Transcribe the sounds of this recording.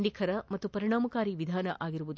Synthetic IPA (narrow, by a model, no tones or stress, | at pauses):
ɳɖikʰɐɾɐmɐt̪ːupɐɾiɳaːmɐkaːɾiʋid̪ʱaːnɐʔaːɡiɾuʋud̪u